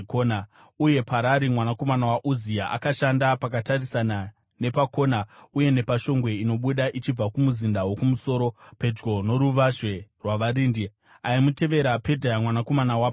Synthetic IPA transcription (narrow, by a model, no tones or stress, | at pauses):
kona | uje̞pʰaɾaɾimwanako̞manawaʔuziaʔakaʃandapak̬atarisana | ne̞pako̞nauje̞ne̞paʃo̞ŋɡwe̞ino̞ɓuɗaʔit͡ʃib͡vakumuzindawo̞kumuso̞ɾo̞pe̞d͡ʒɡo̞no̞ɾuʋaʐwe̞rwaʋaɾiːndi | aimute̞ʋe̞ɾape̞dʱajamwanako̞manawaːpo